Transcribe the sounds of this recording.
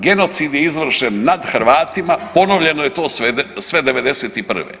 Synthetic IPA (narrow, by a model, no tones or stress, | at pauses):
ɡe̞no̞t̪sid̪jeizʋr̩ʃenːad̪xr̩ʋaːt̪imapo̞noʋʎe̞nojet̪o̞ːsesʋe̞d̪e̞ʋe̞d̪eseːt̪ipr̩ʋḛ